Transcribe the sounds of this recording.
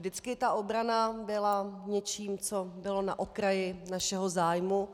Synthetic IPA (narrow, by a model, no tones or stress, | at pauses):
dɪt͡skɪt̪aʔobɾanabɪlaɲɛt͡ʃiːmt͡sobɪlo̞na̰ʔokɾajɪnaʃɛɦo̞zaːjmu